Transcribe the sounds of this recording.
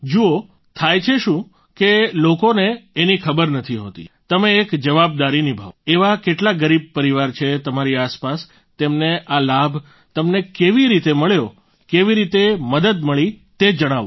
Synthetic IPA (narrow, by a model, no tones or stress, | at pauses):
d͡ʒuo | t̪ʰajt͡ʃʰeʃũ | kelokoneːnikʰəbəɾnət̪ʰiɦo̰t̪ḭt̪əmeːkd͡ʒəʋab̚d̪aɾinibʱa̰ʋeʋakeʈlaɡəɾib̚pəɾiʋaɾt͡ʃʰet̪əmaɾiaspas | t̪emneʔalabʱ | t̪əmnekeʋiɾit̪eməɭjo | keʋiɾit̪eməd̪əd̪məɭi | t̪ed͡ʒəɽ̃aʋo